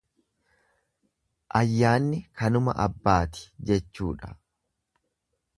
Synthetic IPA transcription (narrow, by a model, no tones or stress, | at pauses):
ʔɐjːaːnːɪkɐnʊmɐ̰ʔɐ̰bːaːt̪ɪ̥d͡ʒɛt͡ʃːuːᶑɐ̥